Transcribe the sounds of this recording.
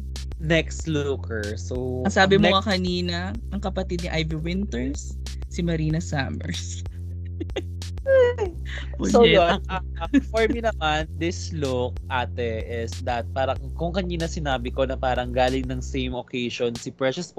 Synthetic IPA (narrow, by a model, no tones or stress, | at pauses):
nɛkst̪lʊkɛɹsowɐŋsaːbɪmoɐkɐniːnɐ | ʔɐŋkɐpɐt̪id̪̚nɪʔajviwɪnt̪ɛɹsː | ɪmɐɾiːnɐsaːmɛ̰ɹs | pooɐ | ɐfoɹminɐmand̪ɪslʊk̚ʔaːt̪ɛʔɪsd̪ɐt̪̚paːɾɐŋkʊŋkɐniːnɐsɪnaːbɪko̞nɐpaːɾɐŋɡaːlɪŋnɐŋsejmokejʃonsɪpɹɛʃɐsp